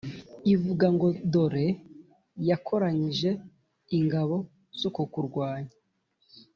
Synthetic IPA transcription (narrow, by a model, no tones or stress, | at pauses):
ivuɡaŋɡo̞do̞ɾe̞ | jakʰo̞ɾaɲiʒe̞ | iŋɡaβo̞ | z̥okukuɾɡwaːɲḁ